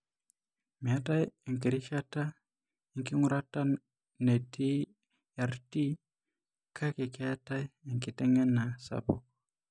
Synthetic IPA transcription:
mi˨a˦ta˦je˨ŋki˨ɾi˦ʃa˦ta˦ | i˦˨ŋki˦ŋu˦ɾa˦ta˦ | ne˨ti˦ | a˨ɾti˦ | kʰa˦ki˨ki˦a˦ta˦je˨ŋki˨tɛ˦ŋɛ˦na˨sa̰˨bo̰˨k

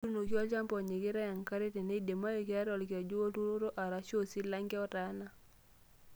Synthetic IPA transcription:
u˦no˨kjɔ˦t͡ʃa˦mpɔ˨ɲe˨kɪ˦ɾa˦ja˨ŋka˦ɾe˦te˨ne˦de˨ma˦jo˨kɪ˦a˦ɾɔ˨lk̬a˨d͡ʒo˦wo˦tu˦ɾo˦ɾo˦ʔa˨ɾa˨ʃo˦˨si˦la˦ŋɡɛ˦ɔ˦ta˨˦na˨

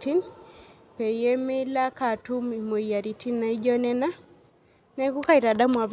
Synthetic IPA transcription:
ti˦n | pɛ˨ijɛ˦mɪ˦la˦ka˨tu˦mi˨mo˨ija˨ɾi˨ti˦nːa˨i˦d͡ʒɔ˦nɛ˦na˦ | nɛ˦ku˦ka˦i˨ɾa˨da˦mwa˨β

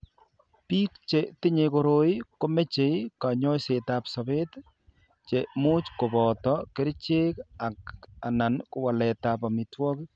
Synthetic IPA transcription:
piː˦k̚t͡ʃetɪ˦ɲekoɾo˦i˦ko˦me˦t͡ʃe˨ika˨ɲɔ˦se˨tapsɔ˨be˦t | t͡ʃemu˦t͡ʃko˨bɔ˨tɔ˦ke˦ɾt͡ʃe˦ka˨ka˨na˨nkʊ˨wa˨lɛtapa˨mitwɔ˦k

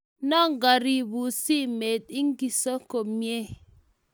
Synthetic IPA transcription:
nɔ˦ŋ̩˨ɡa˨ɾi˨bu˨si˦me˨t̚i˦ŋ̩˦ki˨sɔ˦ko˨pmje˦

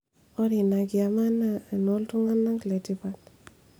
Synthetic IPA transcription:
o˦ɾi˨na˨ki˨a˨ma˦nːa˦˨e˨no˦ltu˦ŋa˦nːa˦ŋkle˨ti˦pa˦t̚

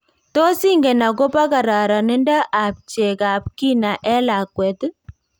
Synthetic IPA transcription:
to˦si˦ŋɡɛ˨na˨ko˦pa˦ka˨ɾa˨ɾa˨nɪ˦nda˦ʔa˨p̚t͡ʃe˨ka˨p̚ki˦na˨ʔɛ˦la˨kwɛ˨t

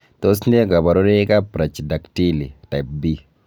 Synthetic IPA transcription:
to˦sne˦ɡa˨ba˨ɾo˦ɾe˦ka˦pɾa˨t͡ʃda˨kti˦li˨ta˨p̚bi˦

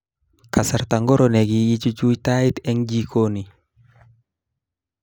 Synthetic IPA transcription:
ka˨saɾta˨ŋɡɔ˦ɾɔnɛ˨ɡi˨i˦t͡ʃu˦d͡ʒu˦jtaɪtɛ˦ŋd͡ʒikʰoni˨

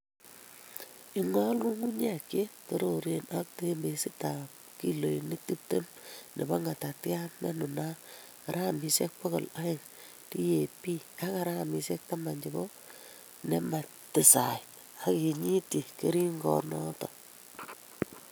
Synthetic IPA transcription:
i˨ŋɔ˦lku˦ŋu˦ɲa˦˨ke˦to˦ɾo˨ɾe˦nʔak̚te˦e˦mbe˨si˦ta˨p | ki˦lo˨i˨ni˦k̚tu˦p̚te˦mnḛ˨bɔ˦ŋa˨ta˨tja˦nne˦nu˨na˦ | ka˨ɾa˦˨mi˨se˦k̚pɔ˦ko˨la˦e˨ŋ | ti˦je˨pi˦a˦ka˦ɾa˦a˨mi˨sɛ˦k̚ta˦ma˨ɲd͡ʒi˨bo˦ | ne˦ma˨ | tɪ˨sa˨t | a˦ki˨ɲi˦ti˨ke˦ɾi˦ŋɡɔ̰˨nɔ˦tɔ˨

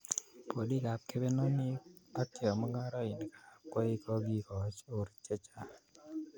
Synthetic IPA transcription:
po˨di˦˨ka˨p̚ke˦bɛ˦nɔ˦nɪ˦a˦kɛ˦ɔ˨mɔ˦ŋa˦ɾɔ˦ɪ˨n˨kḁ˨kɔ˦i˦kɔ˦ɡi˦kɔ˨t͡ʃʊ˨ɾt͡ʃɛ˦t͡ʃa˦

